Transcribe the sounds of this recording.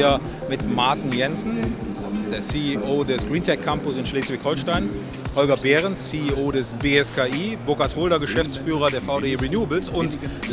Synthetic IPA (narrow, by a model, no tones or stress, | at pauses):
a | mɪtmaɐtɪnjɛnsn̩d̥asɪst̚d̥eːɐsiːiʔoːdɛsɡ̥ʁiːntʰɛkʰːampʊsɪnʃleːsv̥ɪçhɔlʃtaɪn | hɔlɡɐbeːʁənsːiːioːdɛsbeːɛskʰaːʔiːbokatʰhoːldɐɡəʃɛft͡sfyːʁ̞ɐdeːɐfaʊdeːʁinjuːəbl̩sʊntl